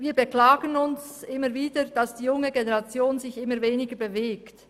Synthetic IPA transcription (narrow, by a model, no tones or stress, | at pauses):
viːɐbəklaːɡənʊns | ʔɪməviːdəd̥asd̥iːjʊŋəɡeneʁɑt͡sjoːnzɪçʔɪməveːnɪɡəbeveːkt